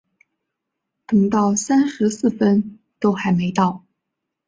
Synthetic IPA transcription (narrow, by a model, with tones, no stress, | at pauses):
t̪ɤ˨˩ŋt̪ɑ˥˩ʊsa˥nʂɻ̩˧˥sɹ̩˥˩fə˥n | t̪o˥ʊxa˧˥ɪme˧˥ɪt̪ɑ˥˩ʊ